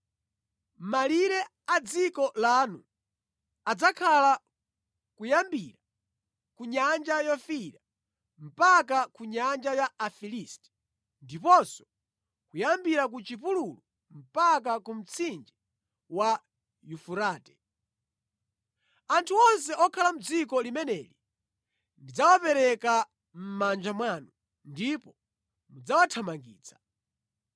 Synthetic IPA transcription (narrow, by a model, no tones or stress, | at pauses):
maliɾɛ | ad͡zikɔlanu | ad͡zakʰala | kujambiɾa | kuɲand͡ʒajɔfiɾa | m̩pakakuɲand͡ʒajaːfilistɛ̥ | ndipɔsɔ̥ | kujambiɾak̬ut͡ʃipululu | m̩pak̬akum̩t͡sʰind͡ʒi | wa | jufuɾaːtɛ | antʰuɔns̬ɛʔɔkʰalam̩d͡zikɔlimɛnɛli | ndid͡zawapɛɾɛka | m̩mand͡ʒamwaːnu | ndipɔ | mud͡zawatʰamaŋɡḭːt͡sʰḁ